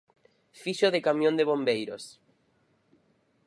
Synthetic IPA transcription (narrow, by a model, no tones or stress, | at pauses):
fiʃoðekamjõnd̪eβ̞ombejɾos